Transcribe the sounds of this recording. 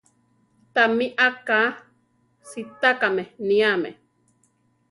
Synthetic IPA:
t̪amiʔaka | sit̪akamenĩamḛ

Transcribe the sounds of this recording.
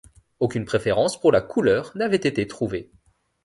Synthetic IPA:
okʲynpχefeʁɑ̃spuʁlakʰulœːʁnavɛt̪et̪et̪χuve

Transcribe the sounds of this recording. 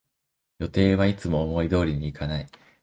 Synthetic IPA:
jo̞t̪e̞ːβ̞ait͡sɨmo̞ːmo̞id̪o̞ːɾʲiɲ̟iːkanai

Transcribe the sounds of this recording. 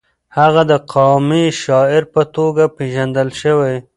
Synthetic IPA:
haɣad̪əqʰɑmiʃɑɪɾpət̪oɡapeʒand̪əlʃəwaj

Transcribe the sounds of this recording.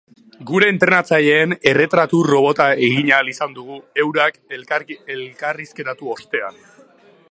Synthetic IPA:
ɡuɾe̞ːnt̪ɾe̞nat͡saʎe̞ːne̞re̞t̪ɾat̪uro̞β̞o̞t̪ae̞ɣiɲalisand̪uɣue̞wɾakelkaɾelkariske̞t̪at̪uo̞st̪e̞an

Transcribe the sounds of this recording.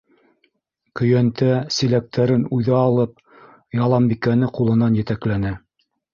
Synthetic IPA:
kɵ̆jænt̪æsilæk̚t̪ʰæɾɘnujðɑɑlˠɤp̚ | jɑlˠɑmbikænɘqulˠɤ̆nɑnjɘ̆t̪æklænɘ

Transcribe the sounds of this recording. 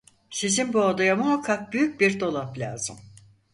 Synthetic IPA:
sizinbuad̪ajamuɦakʰːak̚byjyc̚biɾd̪o̞lˠaplʲa̰ːzɯ̰m

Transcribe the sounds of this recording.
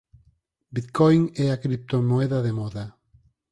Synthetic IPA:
bit̪kɔjŋɛakɾip̚t̪omoeðɐðemɔða

